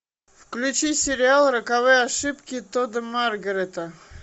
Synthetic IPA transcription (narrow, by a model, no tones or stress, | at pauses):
fklʲʉt͡ɕisʲɪɾʲɪalˠɾəkavɨjaʂɨpkʲɪt̪od̪əmarɡəɾʲet̪ə